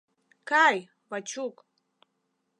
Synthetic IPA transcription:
kʰaj | vat͡ʃʰukʼ

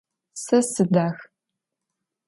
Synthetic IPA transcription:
sɐsɨdaːx

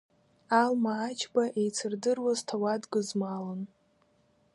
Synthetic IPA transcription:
almaːt͡ʃʰbaʔejt͡sʰɨrdɨrwaztʰawadɡɨzmalɨn

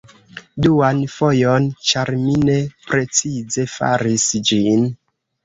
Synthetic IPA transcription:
duanfo̞jont͡ʃaɾmine̞pɾe̞t͡size̞fa̰ɾisd͡ʒin

